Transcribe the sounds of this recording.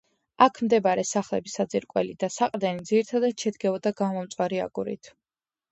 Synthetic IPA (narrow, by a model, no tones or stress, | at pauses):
akʰmd̪ɛbaɾɛsaχlɛbisad̪ziɾkʼwɛ̰lid̪asaqʼd̪ɛnid̪ziɾit̪ʰad̪at̪ʃɛd̪ɡɛvɔd̪aɡamɔmt̪sʼwaɾia̰ɡuɾḭt̪ʰ